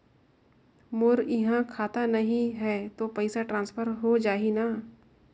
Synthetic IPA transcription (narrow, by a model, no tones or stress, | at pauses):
mʊɾɪɦãkʰaːt̪anɐɦĩɦɛːt̪opɐɪsaʈɾãːnspʰəɾɦod͡ʒaːɦinaː